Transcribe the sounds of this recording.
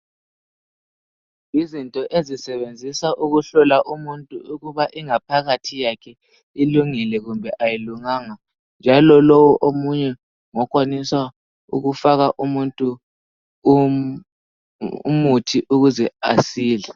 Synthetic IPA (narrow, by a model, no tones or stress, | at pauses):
izintʼɔʔezisɛβend͡zʱisaʔuɣuɬɔlaʔumuntʼuuɣuβaʔiŋapʰaɣatʰijakʰɛ | iluŋɛlɛɣumbʱɛʔajiluŋaːŋa | nd͡ʒʱalɔlowɔʔomuɲɛ | ŋɔkʼwaniswa | ṵɣufaɣaʔumuntʼu | ṵmutʰiʔuɣuzɛasiːlɛ